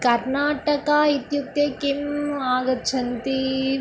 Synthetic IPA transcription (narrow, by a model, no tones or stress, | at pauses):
kɐɾnaːʈɐkait̪juk̚t̪jɐkimaːɡɐt͡ʃʰɐnt̪i